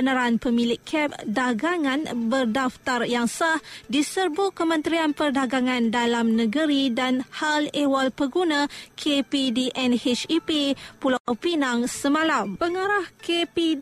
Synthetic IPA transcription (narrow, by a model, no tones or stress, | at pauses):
bənəɾaanpəmilɪkʰːɛp̚daɡaŋãnbərdaft̪arjaŋsahdisərbukəmə̃nt̪ɾianpərdaɡaŋãndalamnəɡəɾidanhalewalpəɡunãkʰepidiʔɛnhet͡ʃipipulawpinaŋsəmãlampəŋaɾahkepi